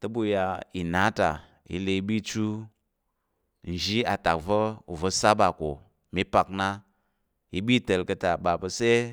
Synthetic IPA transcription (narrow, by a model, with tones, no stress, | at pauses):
tə˦bu˦ja˧i˨na˨˦ta̰˨ | jḭ˦le˧i˦ɓi˦t͡ʃu˦ | n̩˨ʒi˦a˨ta˨k̚və˦u˨və˧sa˦ba˨ko˨ | mi˦pa˨kna˦ | ji˦ɓi˦tə˨lkə˧ta˨ɓa˨pə˧se˦